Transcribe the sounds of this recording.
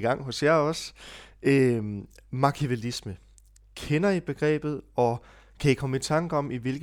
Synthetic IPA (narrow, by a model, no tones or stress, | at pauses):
ɡ̥ɑ̈ŋ̰ɦo̽sjæɒ̽s | ø | mɑ̈kʰiʋelismə | kʰenɐib̥e̝ɡ̥ʁɛ̰ːb̥ð̞̩ˠɒ̽ | kʰæikʰɒ̽məit͡sʰɑ̈ŋɡ̥əɒ̽miʋe̝lɡ̥